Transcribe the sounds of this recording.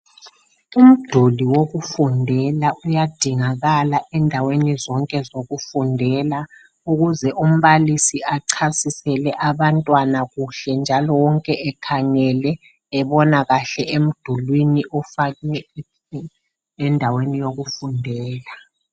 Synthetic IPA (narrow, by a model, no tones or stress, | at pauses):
um̩d̥ʱuliwoɣufundʱɛlaʔujad̥ʱiŋaɣalaʔɛndʱawenizɔŋkʼɛzoɣufundʱɛla | uɣuzɛʔum̩βalisiʔaǀʰasisɛlɛʔaβantʼwanaɣuɬɛnd͡ʒʱalɔwɔŋkʼɛʔɛkʰaŋɛlɛː | βɔnaɣaɬɛem̩d̥ʱulwiniʔɔfaɛ | ɛndʱawenijoɣufundʱɛːla